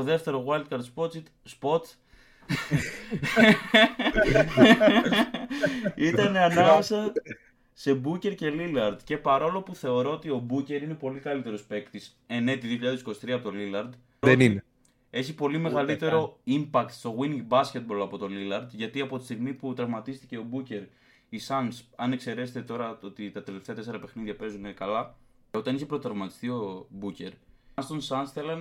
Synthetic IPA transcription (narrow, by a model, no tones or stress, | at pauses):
oðe̞ft̪e̞ɾo̞ɣwɐld̪̚kɐɾd̪spot͡si | spo̞t̪ | it̪ɐne̞ɐnɐme̞sɐ | se̞buce̞ɾce̞lilɐɾd̪ce̞pɐɾo̞lo̞puθe̞o̞ɾo̞ot̪io̞buce̞ɾine̞po̞likɐlit̪e̞ɾo̞spe̞kt̪is | e̞ne̞t̪iðioçiʎɐðesi̥kosi̥t̪ɾiɐpot̪o̞lilɐɾd̪ | ðenin | e̞çipo̞lime̞ɣɐlit̪e̞ɾo̞impɐkt̪st̪o̞ɣwiniɡbɐsce̞t̪̚bo̞lɐpo̞t̪o̞lilɐɾd̪ʝɐt̪iɐpo̞t̪i̥st̪iɣmiput̪ɾɐvmɐt̪ist̪i̥ce̞o̞buce̞ɾ | isɐnsɐne̞kse̞ɾe̞set̪et̪o̞ɾɐo̞t̪it̪ɐt̪e̞le̞ft̪e̞ɐt̪esɾɐpe̞xniðʝɐpe̞zunekɐlɐ | o̞t̪ɐniçe̞pɾot̪ɾɐvmɐt̪ist̪io̞buce̞ɾst̪onsɐnsθe̞lɐn